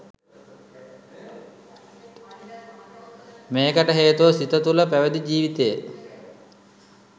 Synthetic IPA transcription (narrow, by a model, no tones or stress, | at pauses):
meːkəʈəɦeːt̪uʋəsit̪ət̪uləpæʋəd̪id͡ʑiːʋit̪eje